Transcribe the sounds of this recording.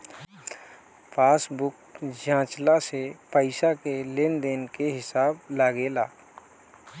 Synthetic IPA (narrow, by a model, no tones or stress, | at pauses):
pʰaːsbʊkd͡ʒãːt͡ʃlasepəɪsakelend̪eːnkeɦɪsaːblaːɡelaː